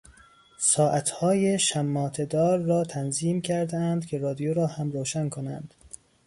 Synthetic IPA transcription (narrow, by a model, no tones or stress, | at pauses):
sɒːʔæt̪ʰhɒːjeʃæmːɒːt̪ʰe̞d̪ɒːɾːɒːt̪ʰænziːmcʰæɾd̪eænd̪̥cʲʰe̞ɾɒːd̪ijoɾɒːhæmɾoːʃænkʰonæ̰nd̪̥